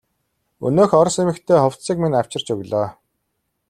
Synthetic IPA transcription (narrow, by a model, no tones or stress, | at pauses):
ɵ̰noːxɔɾsemɘ̆kt̪ʰeːχɔw̥t͡ssiːk̚minaw̥t͡ɕɪ̆r̥t͡ɕɵɣʲɮɔː